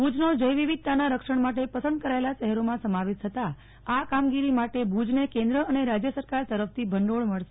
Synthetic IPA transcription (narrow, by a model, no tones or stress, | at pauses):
bʱud͡ʒnod͡ʒəjʋiʋid̪̚t̪anaɾəkʂəɳmaʈepəsə̃nd̪̚kəɾaelaʃɛɦɛɾomãsəmaʋed̪t̪ʰət̪a | akamɡiɾimaʈebʱud͡ʒnekẽnd̪ɾəəneɾad͡ʒjəsəɾkaɾt̪əɾəft̪ʰibʱəɳɖoɭməɭʃe